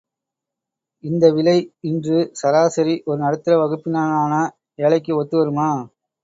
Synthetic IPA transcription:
ɪnd̪ɐʋɪlɐɪɪndrɯsɐɾaːsɐɾiʔɔɾɯnɐɽɯt̪ːɯɾɐʋɐɣɯpːɪnaːnaːnɐ | eːɭɐɪk̬ːɯɔt̪ːɯʋɐɾɯmaː

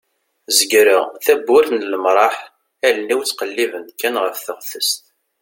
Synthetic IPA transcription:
zəɡɾəʁθæbːʊɾθnələmɾˤɑħ | ælnːiwt͡sːqəlːivənkːænʁəfθəʁθəst̪

